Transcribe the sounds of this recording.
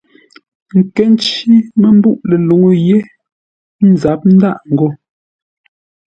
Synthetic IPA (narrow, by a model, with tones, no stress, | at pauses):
ŋ̩˨kɛ˦n˦t͡ʃi˦me˦m˦bu˦˨ʔle˨lu˨ŋo˦˨je˦ | n̩˨za˨˦p̚n̩˦da˦ʔŋ̩˨ɡo˦